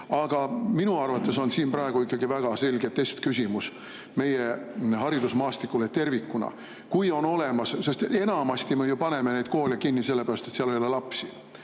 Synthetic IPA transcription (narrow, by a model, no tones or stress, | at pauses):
ɑɡ̥ɑminuɑrvɑt̪ːˑe̞so̞nsiːmprɑe̞ɡ̥uikˑːɑɡ̥ivæɡ̥ɑse̞lʲɡet̪ːe̞st̪kys̬ʲimus | me̞jehɑɾid̪usmɑːst̪ikːˑulet̪e̞rvikːˑunɑ̰ | kujo̞no̞le̞mɑssest̪e̞nɑmɑst̪imejupɑne̞menejd̪̚ko̞ːlʲikinːise̞lːepæɾɑst̪e̞t̪siɑlojolːelɑpsi